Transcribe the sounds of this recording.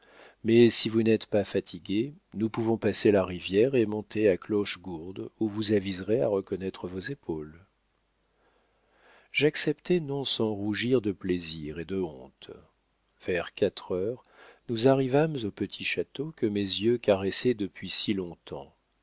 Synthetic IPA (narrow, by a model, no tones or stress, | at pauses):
mɛsivunɛt̪pafat̪ʰiɡʲe | nupuvɔ̃paselaʁivjɛʁemɔ̃t̪eaklɔʃɡuʁd̪uvuzavizʁea̰ʁəkɔnɛt̪χəvozepʰol | ʒaksɛpt̪ɛnɔ̃sɑ̃ʁuʒiʁd̪əpleziʁed̪əɔ̃t̪ | v̥ɛʁkat̪χœʁ | nuzaʁivamzopət̪ʰiʃat̪okəmezjøkaʁɛsɛd̪əpɥisilɔ̃t̪ʰɑ̰̃